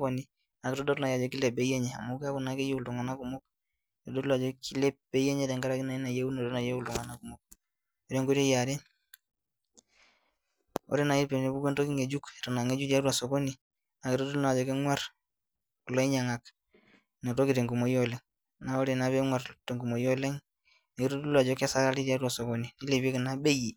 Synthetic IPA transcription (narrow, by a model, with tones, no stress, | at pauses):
kɔ˨ni˨ | na˨ki˨to˦dɔ˦tna˨ja˨d͡ʒe˨ki˦le˨be˨˦je˦ɲɛ˨a̰˨mu˦ka˦ku˨na˦ke˦je˦u˨ltu˨ŋa˨na˦ku˨mo˦k | te˨do˦tla˨d͡ʒo˦ki˦le˦be˦je˦ɲe˦te˨ŋɡa˦ɾa˦ki˦na˨i˦na˨je˦u˦no˨ɾe˦na˨je˦u˨ltu˨ŋa˨na˦ku˨mo˨k̚ | o˦ɾe˦ŋɡo˦ɾe˦ja˨ɾe˦n | o̰˦ɾe˦na˨i˦pe˨ne˨bu˦ke˦nto˦ki˦ŋe˨d͡ʒu˦kɾa˨na˨ŋe˦d͡ʒu˦da˦da˨so˨ko˦ni˨ | na˨ki˨ɾo˦du˦la˨d͡ʒo˨ke˦ŋwa˦ɾ | ku˨lo˦i˦ɲa˨ŋa˨k | ne˨to˦ki˨te˨ŋɡu˨mo˨jo˦le˨ŋ | na˦o˦ɾe˨na˨be˦ŋwa˨ɾte˨ŋɡu˨mo˨jo˦le˦ŋ | na˨ki˦ɾo˦du˦la˨d͡ʒo˦ke˦sa˦ɾa˦li˦dja˦du˦a˨so˨ko˦ni˨ni˦le˨bi˦e˦ki˨na˦be˦ji˨